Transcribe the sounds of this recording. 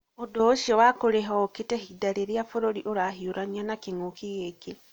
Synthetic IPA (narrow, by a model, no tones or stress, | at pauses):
odooʃiɔwakoɾeɦɔketɛhidaɾeɾiafoɾoɾiʔoɾaɦioɾanianakeŋokiɣeɡe